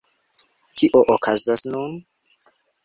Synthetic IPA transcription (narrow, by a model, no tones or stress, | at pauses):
kʰiʔoʔokʰazasnun